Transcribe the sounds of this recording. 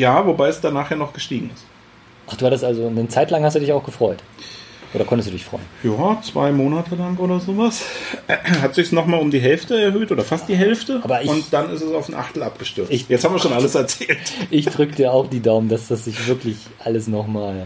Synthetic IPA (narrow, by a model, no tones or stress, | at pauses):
jaːvobaɪɛsd̥anaːχheːɐnɔχɡ̥əʃtiːɡŋ̩ɪst | ʔaχd̥uːhatəstʔalzonət͡saɪtlaŋhastd̥uːdɪçaʊxɡ̥əfʁ̥ɔʏtʔoːɾɐkʰɔntəsd̥uːdɪçfʁ̥ɔ̰ʏənnjaːt͡sv̥a̰ɪmoːnatʰəlaŋʔoːɾɐzoːvas | hatz̥ɪçsnɔχmaːlʊmdiːɦɛlftəɛɐɦøːtʔoːdɐfast̚d̥iːɦɛlftəʔaːbɐʔɪʊntd̥anɪstɛsaʊfn̩ʔa̰χtl̩ap̚ɡ̥əʃtʏɐɪçtjɛt͡st͡shabm̩iːɐʃoːnʔaləsɛɐt͡sɛːlʔɪçd̥ʁʏkd̥ʰiːɐaʊxd̥iːdaʊməndasd̥asz̥ɪçv̥ɪɐklɪç | ʔaləsnɔχmaːl